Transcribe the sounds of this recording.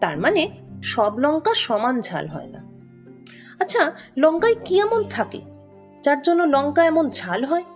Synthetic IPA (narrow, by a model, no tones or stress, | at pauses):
t̪a̰ɾmaneʃɔblɔŋkaʃɔmand͡ʑʱa̰lɦɔ̰ena̰ | atːɕʰalɔŋkajkiɛmont̪ʰakḛ | d͡ʑaɾd͡ʑonːolɔŋkaɛmond͡ʑʱalɦɔe